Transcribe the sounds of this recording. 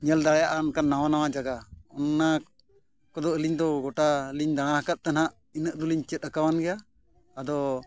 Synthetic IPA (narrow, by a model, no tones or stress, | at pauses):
ɲɛld̪aɽɛjaʔankanːawanawad͡ʒaɡaɔnːa | kɔd̪ɔʔəliɲd̪ɔɡɔʈaliɲd̪aɽ̃ãhakat̪̚t̪ɛnhaʔ | inəʔ̚d̪uliɲt͡ʃɛt̪̚ˀəkawanɡɛjaː | d̪ɔ